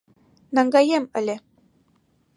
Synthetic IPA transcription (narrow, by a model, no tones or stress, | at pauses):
nɑŋɡɑjemɘ̆lʲɘ̆